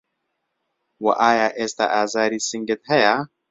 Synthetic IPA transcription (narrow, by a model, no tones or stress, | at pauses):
wɐ̰ʔaːjaːʔeːst̪a̰ʔaːzaːɾiːsiŋɡet̪hɐja